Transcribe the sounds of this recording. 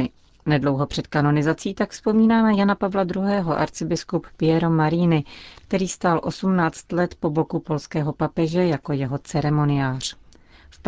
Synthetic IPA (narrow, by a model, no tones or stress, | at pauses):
nɛdlo̞wɦo̞pr̥ɛt̪kano̞nɪzat͡siːt̪akfspo̞miːnaːmɛjanapavlad̪ɾuɦɛːɦo̞ʔa̰ɾt͡sɪbɪskuppɪjɛɾomaɾiːnɪkt̪ɛɾiːst̪aːlʔo̞sumnaːt͡st̪lɛt̪po̞bo̞kupo̞lskɛːɦo̞papɛʒɛjako̞jɛɦo̞t͡sɛɾɛmo̞nɪjaːr̝̥ | fp